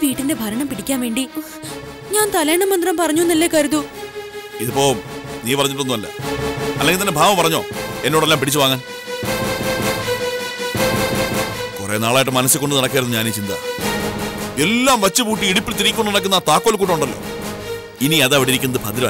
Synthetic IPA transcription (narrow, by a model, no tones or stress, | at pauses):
ʋiːʈːinde̞bʱɐɾɐɳɐmpiɽikʲːaːnʋe̞ːɳɖi | ɲaːnt̪ɐleːɳɖɐmɐnd̪rɐmpɐrɐɲːunːɐlːekɐɾuðu | iðupːoːniːpɐrɐɲːiʈːonːumɐlːɐ̰ɐleŋɡilt̪ɐnːebʱaːʋɐmpɐrɐɲːo̰ːe̞nːoːɽe̞lːaːmpiɽit͡ɕːuʋaːŋːaːn | korḛːna̰ːɭaːjiʈ̬ːɨmɐnɐsːɨko̞ɳɖɨnɐɽɐk̬ːaːjɾunːuɲaːnit͡ɕind̪a̰ | e̞lːaːmʋɐt͡ɕːɨpuːʈːiiɽupːilt̪iɾikʲːuɳɖnɐɽɐk̬ːunːat̪aːkːoːlkːuːʈːɐuɳɖɐlːo̞̰ː | iniɐðaʋɐɽiɾikʲːunːɐðɨbʰʱɐd̪iɾɐ̰